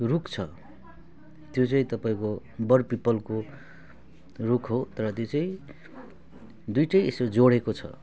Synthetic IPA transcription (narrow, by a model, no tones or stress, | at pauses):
rukt͡sʰʌ | t̪jot͡saĩt̪ʌpaĩko | bʌrpipʌlko | rukʰɦot̪ʌɾʌt̪jot͡saĩ | d̪ujʈʌj̃esod͡zoɽekot͡sʰʌ̰